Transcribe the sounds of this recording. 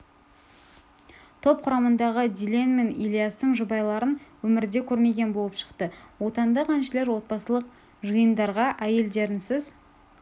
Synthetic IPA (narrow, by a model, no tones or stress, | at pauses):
t̪ʰo̞p̚qʰʊɾɑmənd̪ɑʁəd̪ʲilʲenme̞nilijast̪əɴʒʊbɑjlˠɑɾənwɵmɪɾd̪e̞kʲʰɵɾme̞ɡʲe̞nbo̞lˠəpʃə̥qt̪əwo̞t̪ɑnd̪ɑqʰɑnʃɪle̞ɾwo̞t̪̚pɑsəlˠəq̚ | ʒɨjənd̪ɑɾʁɑʔæje̞ld̪e̞ɾɪnsɪz